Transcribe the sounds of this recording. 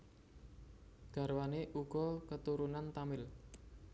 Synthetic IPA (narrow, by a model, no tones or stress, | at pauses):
ɡ̥a̤ɾwaneʔuɡ̥ɔkət̪uɾunant̪amɪl